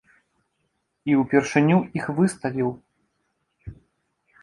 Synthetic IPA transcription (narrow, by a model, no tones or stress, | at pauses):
iwpʲɛrʂɨnʲuixvɨst̪ɐvʲiw